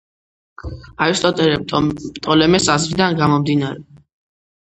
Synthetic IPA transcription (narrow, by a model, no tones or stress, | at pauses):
aɾist̪ʼɔt̪ʼɛɾɛt̪ʼɔlɛmɛsazvid̪anɡamɔmd̪inaɾɛ